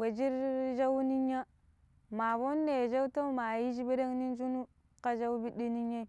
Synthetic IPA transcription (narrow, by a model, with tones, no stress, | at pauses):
we˨d͡ʒi˦ɾʒa˦wni˦ɲːa˦ | ma˨bo˦nːe˨ʒa˦u˦to˦ma˨ji˦ʃi˦be˦de˦ŋni˦n˦d͡ʒu˦nu˦ | ka˦ʒa˦wbi˦ɗi˦ni˦ɲe˦